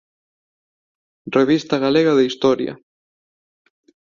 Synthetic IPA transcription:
reβist̪ɐɣaleɣɐðeist̪ɔɾjɐ̰

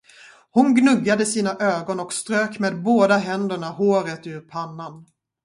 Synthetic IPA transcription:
hʊnɡnɵɡːad̪əsiːnaʔøːɡɔnɔkst̪ɾøːkmeːd̪̚boːd̪aɦɛnd̪əɳahoːɾət̪ʉːɾpʰanːan

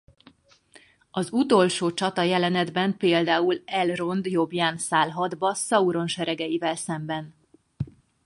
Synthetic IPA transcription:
ɒzut̪o̞lʃoːt͡ʃɒt̪ɒjɛlɛnɛd̪bɛmpeːld̪aːulɛlro̞nd̪jo̞bjaːnsaːlɦɒd̪bɒsɒuɾo̞nʃɛɾɛɡɛjivɛlsɛmbɛn

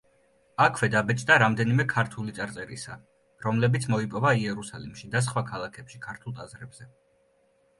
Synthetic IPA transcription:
akʰvɛd̪abɛt͡ʃʼd̪aɾamd̪ɛnimɛkʰaɾt̪ʰulit̪sʼaɾt̪sʼɛɾḭsa̰ | ɾɔmlɛbit̪sʰmɔipʼɔvaiɛɾusalimʃid̪as̬χwakʰalˠakʰɛpʃikʰaɾt̪ʰulˠt̪ʼazɾɛbz̥ɛ

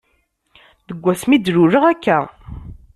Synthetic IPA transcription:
ðəɡʷːæsmid̪ɾuɾəʁækːæ

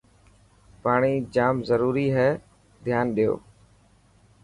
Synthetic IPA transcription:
paːɳ̃iːd͡ʒaːmzəɾuːɾiːɦɛː | d̪ʱjaːnɗɪjo̰ː

